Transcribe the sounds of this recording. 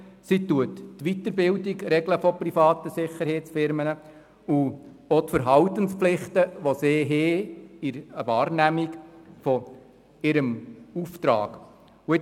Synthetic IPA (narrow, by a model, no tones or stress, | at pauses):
situətːʋit̪əɾbɪwdiɡɾɛɡləfɔprifɑːtəsɪχːəɾhɛɪt͡sfɪɾmənə | u | otfəɾɦɑwt̪ənspflɪχt̪əʋoseːɦeːiɾəʋɑːɾnæmikfɔ | ɪɾəmuft̪ɾɑ̰ːɡ | uɪ